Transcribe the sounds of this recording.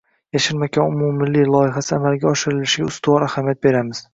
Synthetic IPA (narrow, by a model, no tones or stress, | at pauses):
jaʃɪɾmakʲʰanʊmumːɪlːijlˠɒjɪɦasɪamalɡʲaɒʃɪɾɪllɪʃɪɡʲaʊst̪ʊwɒɾahamijat̪̚be̞ɾamɪz̥